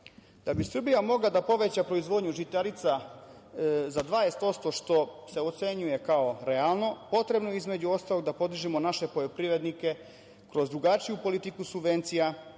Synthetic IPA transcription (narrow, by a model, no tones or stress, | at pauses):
d̪̥abisr̩bijamo̞ɡlad̪apo̞ʋe̞t͡ɕapɾo̞izʋo̞d̪ɲuʒit̪aɾit̪sa | zad̪ʋaest̪o̞st̪o̞ʃt̪o̞se̞ot̪se̞ɲuje̞kao̞ɾealˠno̞po̞t̪ɾe̞bnoeizme̞d͡ʑuo̞st̪alo̞ɡd̪apo̞d̪iʒimo̞naʃe̞po̞ʎopɾiʋɾe̞d̪nike̞ | kɾo̞zd̪ɾuɡat͡ʃijupo̞lit̪ikusubʋe̞nt̪sija